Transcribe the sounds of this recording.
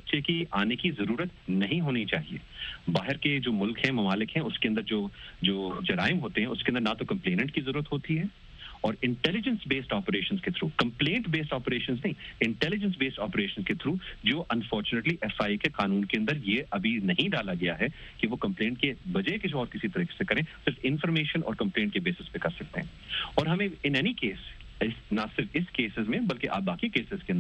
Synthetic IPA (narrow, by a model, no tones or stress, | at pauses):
bɐtːʃekiaːnekizɐɾuːɾət̪nɐɦĩɦoːnit͡ʃaːɦiḛːbaːɦɪɾked͡ʒoːmʊlkɦɛ̃mɐmaːlɪkɦɛ̃ʊskeɐ̃nd̪əɾd͡ʒoːd͡ʒoːd͡ʒɐɾa̰ːɪmɦoːt̪eɦɛ̃ʊskẽɐ̃nd̪əɾnat̪okɐ̃mpleːnə̃ɳʈ̚kizɐɾuːɾət̪ɦoːt̪iɦɛː | ɔːɾɪ̃ɳʈɛlɪd͡ʒə̃nsbeːsʈɔːpəɾeːʃə̃nsket̪ʰɾuːkɐ̃mplẽːɳʈbeːsʈɔːpeɾeːʃə̃nznɐɦĩɪ̃ɳʈɛlɪd͡ʒə̃ns̬beːsʈɔːpəɾeːʃə̃nsket̪ʰɾuːd͡ʒoːʔɐ̃nfɔːɾt͡ʃuneʈliʔɛfaːikeqaːnũːnkeɐ̃nd̪əɾjeʔɐbʱinɐɦĩɖaːlaɡɐjaɦɛ | kiʋokɐ̃mplẽːɳʈ̚kebɐd͡ʒɦkɪsiɔːɾkɪsit̪ɐɾiːke̥sekɐɾẽːsɪɾfɪ̃nfɔɾmeːʃənʔɔ̰ːɾkɐ̃mplẽːɳʈ̚kebeːsɪspẽkɐɾsɐk̚t̪eɦɛ̃ː | ɔːɾɦɐmẽɪnɛːnikeːs | ɪsnɐsɪɾfɪskeːsɪzmẽbɐlkeʔa̰ːp̚baːkikeːsɪz̥keɐ̃nd̪ə